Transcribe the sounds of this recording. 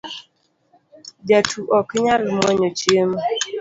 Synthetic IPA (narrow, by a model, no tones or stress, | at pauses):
d͡ʒatʰuʔɔkɪɲalimɔɲot͡ʃiema